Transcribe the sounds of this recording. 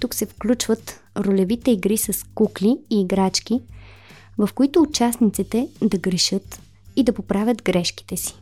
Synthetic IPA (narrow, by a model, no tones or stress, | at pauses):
t̪uksɛfklʲut͡ʃvət̪ | ɾolɛvit̪ɛiɡɾisɐskukliiːɡɾat͡ʃk̟i | vɐfkoit̪ʊːt͡ʃasnit̪sit̪ɛd̪ɐɡɾɛʃɤt̪ | id̪ɐpopɾavʲət̪ɡɾɛʃki̥t̪ɛsi̥